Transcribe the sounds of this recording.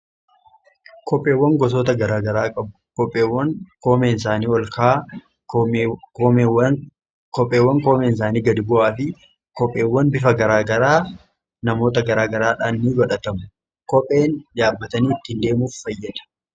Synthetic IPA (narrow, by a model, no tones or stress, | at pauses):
kʰɔpʼːe̞ːwːɐŋɡɔs̬oːt̪ɐɡɐɾaːɡɐɾaːkʼɐbʊkɔpʼːeːwːɐŋkoːmeːnsaːniːwɐlkʰaː | kɔpʼːeːwːɐŋkoːmeːns̬aːniːɡɐd̪ɪbʊaːfɪ | kɔpʼːe̞ːwːɐnbɪfɐɡɐɾaːɡɐɾaː | nɐmo̞ːt̪ɐɡɐɾaːɡɐɾaːᶑaːnːiːbɐᶑɐt̪ɐmʊ̥ | kɔpʼːe̞ːnd̪aːbːɐt̪ɐniːɪt̪ːɪɪnd̪e̞ːmuːfːɐjːɐᶑ̪ɐ̥